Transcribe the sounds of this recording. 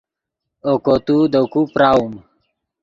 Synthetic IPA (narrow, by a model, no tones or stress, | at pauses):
okot̪ud̪okupɾaum